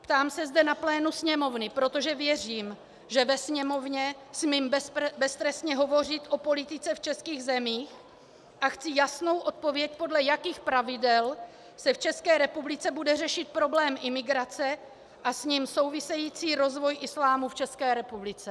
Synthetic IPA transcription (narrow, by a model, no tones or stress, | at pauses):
pt̪aːmsɛzdɛnaplɛːnusɲɛmo̞vnɪpɾo̞t̪o̞ʒɛvjɛriːm | ʒɛvɛsɲɛmo̞vɲɛsmiːmbbɛst̪ɾɛsɲɛɦo̞vo̞r̝ɪt̪ʔo̞po̞lɪt̪ɪt͡sɛft͡ʃɛskiːɣzɛmiːx | ʔaxt͡sɪjasno̞wʔo̞t̪̚povjɛc̚po̞dlɛjakiːxpɾavɪdɛl | sɛft͡ʃɛskɛːɾɛpublɪt͡sɛbudɛrɛʃɪt̪̚pɾo̞blɛːmʔɪmɪɡɾat͡sɛ | ʔasɲimso̞wvɪsɛjiːt͡siːɾo̞zvo̞jʔɪslaːmuft͡ʃɛskɛːɾɛpublɪt͡sɛ